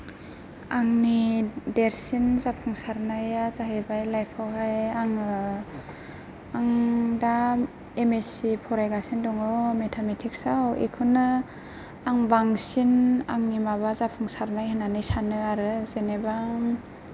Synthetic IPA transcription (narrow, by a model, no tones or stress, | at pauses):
aŋnideɾsinzapʰuŋsaɾnajazaɦebajlajpʰawɦajaŋɯ | ŋda | emesipʰɔɾajɡasindɔŋɔmetʰametʰik̚sawḛkʰɯnɯ | aŋbaŋsina̰ŋnimaβazapʰuŋsaɾnajhɯnanɯsanɯaɾɯzeneba